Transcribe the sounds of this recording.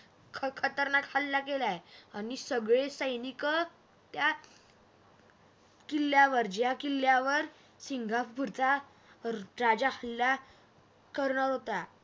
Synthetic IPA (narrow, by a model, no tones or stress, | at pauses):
kʰkʰət̪əɾnakʰalːakelajañisəɡɭesəjnikə | t̪ja | kilːjaʋəɾd͡ʑjakilːjaʋəɾ | siŋɡʱafbʱuɾt͡sa | ɾad͡ʑakʰəlːja | kəɾɳ̃aɾɦot̪a